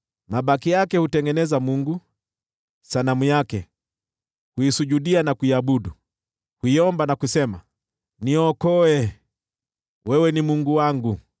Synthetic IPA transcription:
maɓakijakɛhutɛŋɡɛnɛzamuŋɡu | sanamujakɛ | huisuʄuɗianakuiaɓuɗu | huiɔmbanakusɛma | niɔkɔɛ | wɛwɛnimuŋɡuwaŋɡu

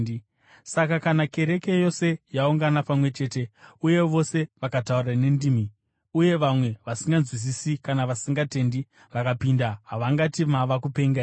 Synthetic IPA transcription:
sakakanake̞ɾe̞ke̞jo̞se̞jauŋɡanapamwe̞t͡ʃe̞ːte̞uje̞ʋo̞se̞ʋakataurane̞ndimi | uje̞ʋamwe̞ʋasiŋɡanzwis̬isikanaʋasiŋɡate̞ndi | ʋakapindaɦaʋaŋɡatimaʋakupe̞ŋɡa

